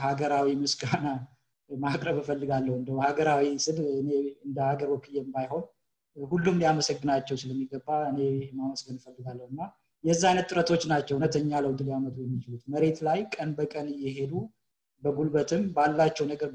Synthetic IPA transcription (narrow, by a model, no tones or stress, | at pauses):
haɡəɾawimɨsɡana | makʼɾəβɨfəlːɨɡalːəhwɨnd̪əwhaɡəɾawisɨlɨneɨnd̪əhaɡəɾbəkʰʼɨjɛmbajho̞n | hulːumliaməsəɡːɨnat͡ʃːɛwsɨləmːiɡːəbːaɨne̞maməsɡənfəlːɨɡalːəhɨnːa | jɛzːaajnət̪t̪ːʼɨɾət̪ʰo̞t͡ʃːnat͡ʃːɛwnət̪ʰəɲːaləwd̪ɨljamət̪ʰujɛmːit͡ʃɪlut̪məɾe̞t̪lajkʼənbəkʼənɨjɛɦe̞d̪u | bəɡulbət̪ʰɨmbalːat͡ʃːɛwnəɡəɾ